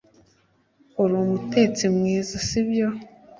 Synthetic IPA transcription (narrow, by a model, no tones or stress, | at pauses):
oɾoːmute̞t͡simŋiːzasibjo